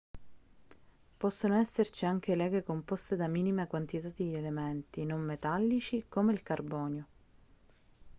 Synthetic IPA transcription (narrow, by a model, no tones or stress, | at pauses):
pɔsːonoɛsːert͡ʃiaŋk̟elɛːɡekompɔst̪ed̪amiːnimakwant̪it̪ad̪ielement̪inomːet̪alːit͡ʃikomeilkarbɔːnjo